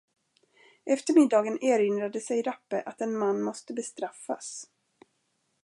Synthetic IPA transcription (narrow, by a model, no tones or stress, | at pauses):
ʔɛft̪əɾmɪd̪ːɑːɡəneːɾɪnd̪ɾad̪əsɛjɾapːəʔat̪ɛnmanːmɔst̪əbɛst̪ɾafːa̰s